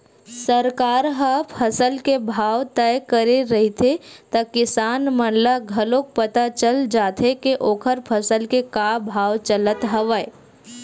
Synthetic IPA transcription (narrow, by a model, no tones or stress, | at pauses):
səɾkaːɾɦəpʰɐsəlkebʱaːʋt̪ɛjkəɾeɾɐɦit̪ʰet̪ɐkɪsaːnmə̃nlaɡʱɐlõk̚pət̪at͡ʃəld͡ʒaːt̪ʰekeʔoːkʰəɾpʰɐsəlkekaːbʱaːwt͡ʃələt̪ɦɐʋəe